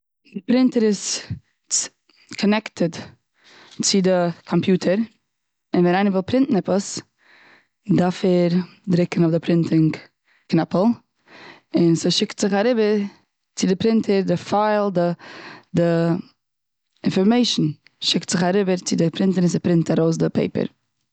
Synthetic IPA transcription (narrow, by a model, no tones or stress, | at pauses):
dɪpɾɪntəɾɪs | kʰɔnɛktʰəd | t͡sɪdəkʰɔmpjuːtʰəɾ | ɪnvɛnaɪnəvɪlˠpɾɪntn̩ɛpəs | dafɛɾ | dɾɪkn̩ʊfdɪpɾɪntʰɪŋ | knɛpəl̩ˠ | ɪnsəʃɪktz̥ɪχaɾɪbəɾ | t͡sɪdɪpɾɪntʰəɾdɪfaɪlˠdədɪ | ɪnfɔɾmeɪʃn̩ | ʃɪktz̥ɪχaɾɪbəɾt͡sɪdɪpʰɾɪntəɾɪnsəpɾɪntaɾoʊs̬dɪpḛɪpə̰ɾ